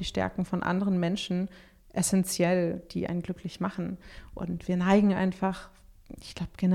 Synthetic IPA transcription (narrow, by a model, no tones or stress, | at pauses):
iːʃtɛ̰ɐkŋ̩fɔnʔa̰ndəʁənmɛnʃn̩ | ʔɛsɛnt͡sjɛld̥iːʔa̰ɪnɡlʏklɪçmaχn̩ʔʊ̰ntv̥iːɐnaɪɡŋ̩ʔa̰ɪnfaχɪçɡ̥laʊbəɡ̥ɛnə